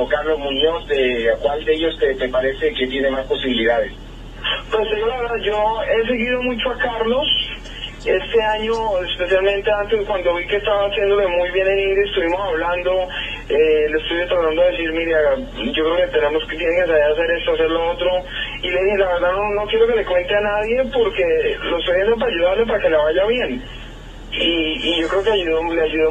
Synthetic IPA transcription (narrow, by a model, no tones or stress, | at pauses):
kaɾlo̞zmũɲo̞sd̪ekwald̪eeʝost̪et̪epaɾe̞seket̪jene̞maspo̞siβiliðaðes | pesekelaβeɾðaðd͡ʒoe̞s̬e̞ɣiðo̞mut͡ʃo̞akaɾlo̞s | e̞st̪e̞aɲoespe̞sjalmẽ̞nt̪e̞ant̪ezðekwand̪oβikest̪aβaːsje̞nd̪olemujβje̞nenĩnd̪joaest̪uβimo̞saβland̪o | elest̪uβet̪aɾand̪oðes̬iɾmiɾja | d͡ʒo̞kɾeoket̪enemost̪jeneŋkes̬aeɾase̞ɾe̞st̪oase̞ɾloot̪ɾo̞ | ileðihelaβe̞ɾd̪ano̞no̞kjeɾo̞ke̞le̞kwe̞nt̪e̞anaðje̞po̞ɾke̞loest̪ojβend̪op̬aɾaʝuðaɾlep̬aɾake̞leβaʝaβje̞n | iːʝo̞kɾe̞okeaʝuðoleauðo